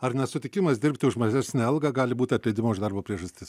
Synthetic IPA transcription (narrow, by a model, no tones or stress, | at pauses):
ɐɾnʲɛsʊt̪ʲɪkʲɪmɐsd̪ʲɪɾʲpʲt̪ʲɪʊʃmɐʒʲæsʲnʲeːɐlˠɡɑɡɑːlʲɪbuːt̪ʲɪɐt̪ʲlʲɛɪd̪ʲɪmoːɪʒd̪ɑɾboːpʲɾʲiɛʒɐsʲt̪ʲɪs